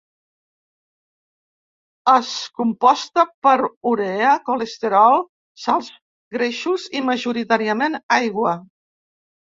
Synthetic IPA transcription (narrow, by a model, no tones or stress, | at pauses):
əskumpɔst̪əpəɾuɾeəkoləst̪eɾɔlˠ | salˠz | ɡɾeʃuziməʒuɾit̪aɾiəmenajɣwə